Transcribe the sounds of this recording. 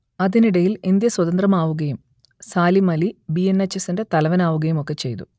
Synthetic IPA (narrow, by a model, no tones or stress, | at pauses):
ɐðiniɽɐjilind̪jɐswɐðɐnd̪rɐmaːʋuɣɐjum | saːlimɐlibijenːɐt͡ɕːɐsinde̞t̪ɐlɐʋɐnaːʋuɣɐjumo̞kːe̞t͡ɕe̞jt̪ṵ